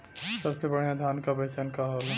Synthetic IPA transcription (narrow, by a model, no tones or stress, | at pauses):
sɐbsebɐɽ̤jãd̪ʱaːnkabɐsankaɦoːla